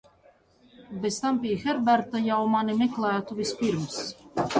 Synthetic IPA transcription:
best̪ampʲijxɛɾbæɾt̪ajawmanimɛklˠæːt̪uvʲispiɾms

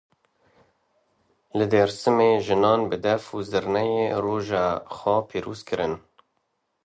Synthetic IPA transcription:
lɨd̪eɾsɨmeːʒɨnɑːnbɨd̪ɛfuzɨɾnɛjeːroːʒɑːxɔpʰiːɾoːzkʰɨɾɨn

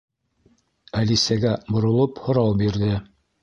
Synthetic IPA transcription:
ælisæɡæbŏɾŏlˠophŏɾɑwbiɾðɘ

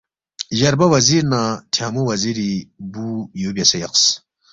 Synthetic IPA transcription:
ʑɐɾbɐwɐziɾnatʰjaːmuwɐziɾibujobʲjɐsajɐqs

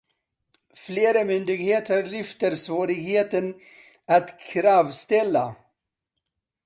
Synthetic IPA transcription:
fleːɾəmʏnd̪ɪɡheːt̪ʰəɾːʏft̪əɾsvoːɾɪɡheːt̪ən | at̪kʰɾɑːvst̪ɛlːa̰

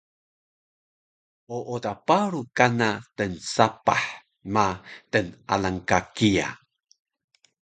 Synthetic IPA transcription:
ʔoʔotapaɾukanatənsapa̰ħ | matəna̰laŋkakia̰

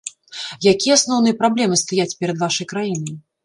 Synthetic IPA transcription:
jakʲijɛasnɔwnɨjɛpɾablʲɛmɨst̪ajat͡sʲpʲɛɾɐd̪vaʂɐjkɾajinɐj

